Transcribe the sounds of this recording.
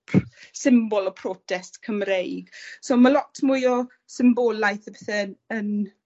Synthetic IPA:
pʰsɪmbɔlɔpʰrɔːtʰɛstkʰəmɾejɡ̥soːmalɔtʰmujɔ | sɪmboːlajθəbɛθɛən

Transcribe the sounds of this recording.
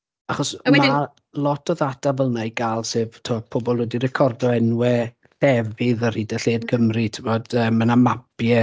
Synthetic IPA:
aχɔsmɛma | lˠɔtʰɔðadavəlˠnajɡaːlˠseːvtʰuɔpʰobɔlˠwɛdirɛkʰɔrdɔɛnwɛ | d̥ɛvɪðərhidɛɬeːdɡəmritʰəvɔdəːmːənamapjɛ

